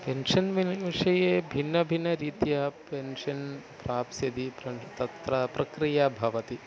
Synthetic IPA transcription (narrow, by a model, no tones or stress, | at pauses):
penʂɐnʋiʋiʂɐjeːbʱinːɐbʱinːɐɾiːt̪jɐpenʂɐnpɾaːpsɐd̪ipɾɐt̪ɐt̪ɾɐpɾɐkɾijɐbʱɐʋɐt̪i